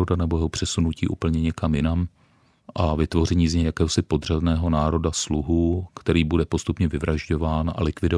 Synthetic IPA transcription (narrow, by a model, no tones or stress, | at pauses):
odanɛbo̞jɛɦopr̥ɛsunuciːʔṵːpl̩ɲɛɲɛkamjɪnam | ʔavɪt̪vo̞rɛɲiːzɲɛjakɛːɦosɪpo̞d̪r̝adnɛːɦo̞naːɾo̞dasluɦukt̪ɛɾiːbudɛpo̞st̪upɲɛvɪvɾaʒɟo̞vaːnʔa̰lɪkvɪdo